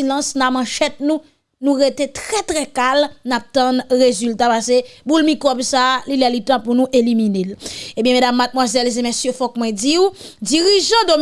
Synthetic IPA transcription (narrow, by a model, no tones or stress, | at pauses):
ilãsnamãʃɛt̪̚nũ | nũɣet̪et̪ʁɛt̪ʁɛkalnap̚t̪ɐ̃nʁezylt̪apasebulmikʁɔbsaːlilɛlit̪ãpunũʔeliminelebjɛ̃medamːat̪̚mwazɛlzemesjøfɔk̚mwɛ̃d͡ziud͡ziʁiʒɑ̃d̪om